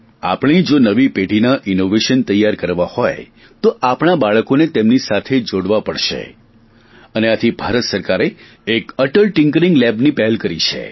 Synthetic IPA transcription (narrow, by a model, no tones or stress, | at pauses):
a̰pɽ̃id͡ʒonəʋipeʈinaʔɪnoʋeʃənt̪əjːaɾkəɾʋahoj | t̪oʔapɽ̃abaɭəkonet̪emnisat̪ʰed͡ʒoɽʋapəɽʃḛ | əneat̪ʰibʱaɾət̪səɾkaɾe | ekəʈəɭʈɪŋkɾĩŋɡlɛbnipɛɦɛlkəɾit͡ʃʰḛ